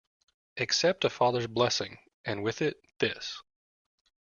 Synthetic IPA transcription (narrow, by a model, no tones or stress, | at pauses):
ʔɨksɛp̚tɨfɑðə˞zblɛsɪ̃ŋ | ʔɨ̃nwɪðɪt̪̚ðɪs